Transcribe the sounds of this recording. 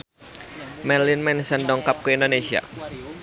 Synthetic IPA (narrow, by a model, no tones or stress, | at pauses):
mɛrlinmɛnsəndɔŋkap̚kuindonesia̰